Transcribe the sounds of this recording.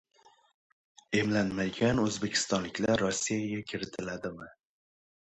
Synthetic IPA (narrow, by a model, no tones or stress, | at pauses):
e̞mlanmaɡʲanɵzbe̞kʲʰɪ̥st̪ɒnlɪkʲlaɾːɒsːijaɡʲakʲʰɪɾɪt̪ʰɪlad̪ɪmɪ